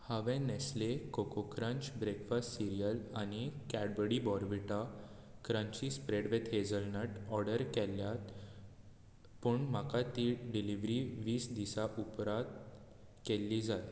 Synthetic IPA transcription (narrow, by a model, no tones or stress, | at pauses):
haʋɛ̃nɛslekokokɾə̃ɲt͡ɕbɾekfastsiɾijəlañikɛɽbəɽibɔɾʋiʈa | kɾãɲt͡ɕispɾeɽʋet̪ɦed͡zəlnəʈɔɾɽəɾkɛlːjat̪ | puɳm̤akat̪iːɖiliʋɾiʋiːsd̪isaʔupɾat̪ | kelːid͡zaj